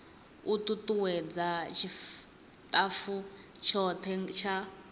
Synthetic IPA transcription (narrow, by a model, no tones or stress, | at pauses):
ut̪ʼutʼuwɛd͡zat͡ʃʰi | t̪ʼafut͡ʃʰɔt̪ʰɛt͡ʃʰa